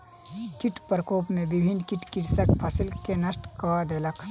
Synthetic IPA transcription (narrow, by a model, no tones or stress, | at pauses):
kiʈpɾəkoːpmẽbibʱinkiʈkiɾsəkpʰəsilkenəsʈkɐd̪eləkʰ